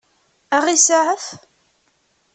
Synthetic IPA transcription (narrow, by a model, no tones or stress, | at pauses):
æʁisaʕəθ